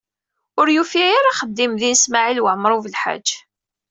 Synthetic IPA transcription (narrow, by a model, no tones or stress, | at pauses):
ʊɾjufiæjaɾaχəd̪ːimðinsmaʕilwəʕəmːɾˤuvəlħa̰d͡ʒː